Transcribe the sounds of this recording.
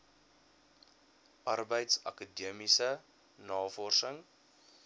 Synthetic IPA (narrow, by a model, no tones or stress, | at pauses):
ʔɐrbəjtsɐ̰kədiəmisə | nɑːfɔrsəŋ